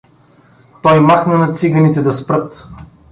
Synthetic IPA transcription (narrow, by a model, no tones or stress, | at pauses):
t̪ɔjmaxnɐnɐt̪siɡɐnit̪ɛd̪ɐspɾɤt̪